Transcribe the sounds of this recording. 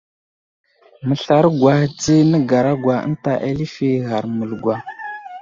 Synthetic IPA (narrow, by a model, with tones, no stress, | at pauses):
mə˨ɬa˨ɾɡwa˨ht͡si˦nə˦ɡa˨ɾa˦ɡwa˨ə̰˦n˦ta˨ʔḛ˦li˦fi˦ɣa˨ɾmu˨lɡʷwa˨